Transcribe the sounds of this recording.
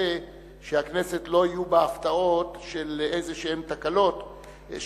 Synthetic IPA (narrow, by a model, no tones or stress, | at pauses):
e | ʃeakne̞se̞tlo̞ijubeaft̪ao̞tʃelezeʃehemt̪akalo̞t̪